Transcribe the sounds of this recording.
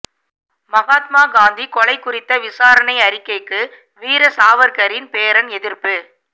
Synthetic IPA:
mɐɣaːt̪maːɡaːnd̪ikɔlɐɪkːʊrɪt̪ːɐʋɪsaːɾɐnɐɪɐɾɪkːɐɪkːɯ | ʋiːɾɐsaːʋɐɾkɐɾɪnpeːɾɐnɛðɪɾpɯ

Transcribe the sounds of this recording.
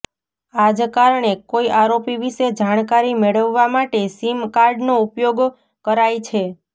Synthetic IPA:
ad͡ʒkaɾɳekoiʔaɾopiʋiʃed͡ʒaɽ̃kaɾimeɭəʋːamaʈesimkaɾɖnoupjoɡ | kəɾajt͡ʃʰe

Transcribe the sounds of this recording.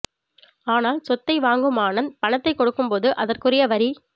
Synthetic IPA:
aːnaːlsɔt̪ːɐɪʋaːŋɡɯmaːnɐnpɐɳɐt̪ːɐɪkːɔɽɯkːɯmpoːðɯʔɐðɐrkɯrɪjɐʋɐɾi

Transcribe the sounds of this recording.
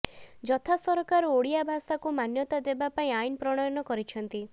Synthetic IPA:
d͡ʒɔt̪ʰasɔɾɔkaɾɔoɽijabʱasakumanjɔt̪ad̪ebapaĩainpɾɔɽ̃ɔjɔnɔkɔɾit͡ʃʰɔnt̪i

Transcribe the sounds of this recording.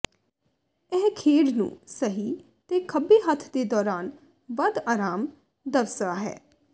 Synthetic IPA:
ɛɦkʰeːɽnṵ̃ːsəɦiː | t̪eːkʰəbiːɦət̪ʰd̪eːd̪ɔːɾaːn | ʋəd̪aːɾaːm | d̪əʋsaːɦɛ̰ː

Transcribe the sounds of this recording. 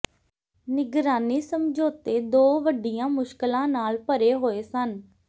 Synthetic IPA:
nɪɡɾaːniːsəmd͡ʒoːt̪eːd̪oːʋəɖijãːmʊʃkəlãːnaːlpəɾeːɦoːeːsən

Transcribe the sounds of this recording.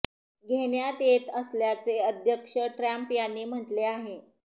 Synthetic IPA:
ɡʱeɳjat̪et̪əsljat͡seəd̪ʱjəkʂəʈɾæmpjanːiːm̤əʈleaɦe

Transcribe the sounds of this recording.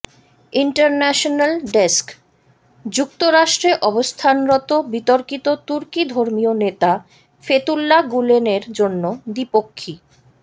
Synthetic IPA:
iɳʈaɾnɛʃonalɖesk | d͡ʑuk̚t̪oɾaʃʈɾeʔɔbost̪ʰanɾɔt̪obit̪oɾkit̪ot̪uɾkid̪ʱoɾmionet̪a | fet̪ulːaɡuleneɾd͡ʑonːod̪ipokʰːi

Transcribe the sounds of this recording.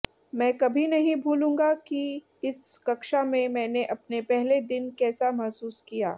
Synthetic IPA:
mɛ̃ːkɐbʱinɐɦĩbʱuːlũːŋɡaki | ɪskɐkʃamẽmɛ̃ːneʔɐpnepɛɦled̪ɪnkɛːsamɐɦsuːskija̰ː

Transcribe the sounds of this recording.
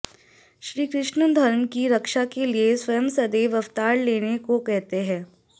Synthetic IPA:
ʃɾiːkɾɪʃnəd̪ʱɐɾənkiɾɐkʃakelieswɐjəmsɐd̪eːʋɐft̪aːɾleːnekokɛɦt̪eɦɛ̃ː

